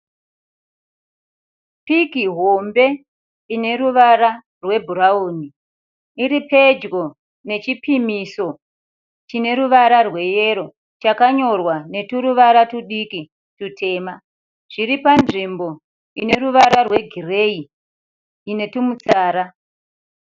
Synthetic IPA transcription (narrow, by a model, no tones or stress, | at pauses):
pikiɦo̞mbe̞ | ine̞ɾuʋaɾa | rwe̞bʱuɾauːni | iɾipe̞d͡ʒɡo̞ | ne̞t͡ʃipimiso̞ | t͡ʃine̞ɾuʋaɾarwe̞je̞ɾo̞ | t͡ʃakaɲo̞rwane̞tuɾuʋaɾatuɗiki | tutʰe̞ːma | ʐ̥iɾipanʐimbo̞ | ine̞ɾuʋaɾarwe̞ɡʱire̞iː | ne̞tumut͡saːɾa